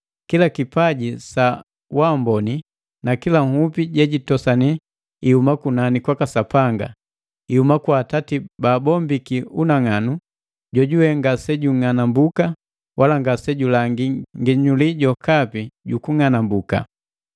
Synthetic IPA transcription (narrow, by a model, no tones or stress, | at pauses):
kilakipaɟisa | wambɔni | nakilaŋhupiɟɛɟitɔsani | ihumakunanikwakasapaŋɡa̰ | ihumakwaːtatibaːbɔmbikiunaŋanu | ɟɔɟuwɛŋɡasɛɟuŋanambuka | wʔalaŋɡasɛɟulaŋɡiŋɡiɲuliɟɔkapiɟukuŋanambuka̰